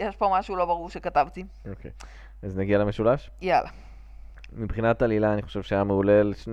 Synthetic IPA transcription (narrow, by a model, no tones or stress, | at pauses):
jeʃpomaʃulobaʁuʁʃekat̪avt̪i | okḛj | aznaɡialemeʃulaʃ | jala̰ | mibχinat̪alilaːniχo̥ʃevʃeajameulelʃn